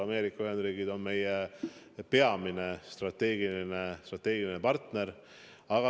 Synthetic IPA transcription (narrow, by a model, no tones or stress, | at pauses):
ɑme̞ːɾikːˑɑyhe̞nd̪ɾiːɡid̪̥o̞nme̞je | pe̞ɑmine̞st̪rɑt̪ːe̞ːɡilinest̪rɑt̪ːˑe̞ːɡilinepɑrt̪neɾ | ɑɡ̥ɑ